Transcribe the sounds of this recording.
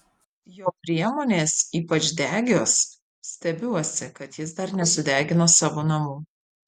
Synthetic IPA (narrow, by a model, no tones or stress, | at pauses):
joːpʲɾʲiɛmoːnʲeːsiːpɐt͡ʃʲd̪ʲæːɡʲoːs | sʲt̪ʲɛbʲuɔsʲɪkɐt̪jɪs̬d̪ɐɾnʲɛsʊd̪ʲæːɡʲɪnoːsɑːʋoːnɐmuː